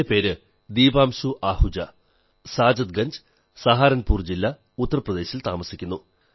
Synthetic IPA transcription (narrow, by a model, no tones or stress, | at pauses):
epe̞ːɾɨ | d̪iːbaːmɕuʔaːhud͡ʑɐ | saːd͡ʑɐt̪̚ɡɐɲd͡ʑ | sɐɦaːɾɐnpuːrd͡ʑilːɐ | ut̪ːɐrɐprɐd̪e̞ːɕilt̪aːmɐsikʲːunːu